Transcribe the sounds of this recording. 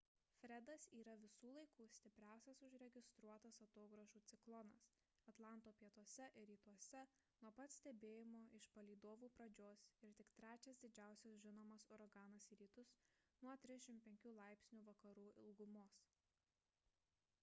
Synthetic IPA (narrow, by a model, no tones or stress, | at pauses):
fʲɾʲɛd̪ɐsiːɾɐʋʲɪsuːlˠɐɪkuːsʲt̪ʲɪpʲɾʲæˑʊsʲɛsʊʃɾʲɛɡʲɪst̪ɾuɔt̪ɐsɐt̪oːɡɾɐʒuːt̪sʲɪklˠɔnɐs | ɐt̪lˠɑˑnˑt̪oːpʲiɛt̪uɔsʲɛʔɪɾɾʲiːt̪uɔsʲɛ | nuɔpɐt̪sʲt̪ʲɛbʲeːjɪmoːʔɪʃpɐlʲiːd̪oːʋuːpɾɐd͡ʒʲoːsɪɾt̪ʲɪkt̪ʲɾʲæːt͡ʃʲɛsd̪ʲɪd͡ʒʲæˑʊsʲɛsʒʲɪnoːmɐsɔɾɐɡɑːnɐsiːɾʲiːt̪ʊsnuɔt̪ʲɾʲɪzd̪ʲɛʃʲɪmpʲɛŋʲkʲuːlˠɑˑɪpʲsʲnʲuːʋɐkɐɾuːʔɪlˠɡʊmoːs